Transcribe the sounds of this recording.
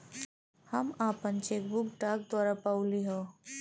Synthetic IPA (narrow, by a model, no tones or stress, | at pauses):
həmaːpənt͡ʃeːk̚bʊkɖaːk̚d̪waːɾapaːʊliɦoː